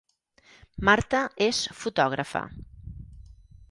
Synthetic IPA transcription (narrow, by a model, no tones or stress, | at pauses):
maɾt̪əesfut̪ɔɣ̞ɾəfə̰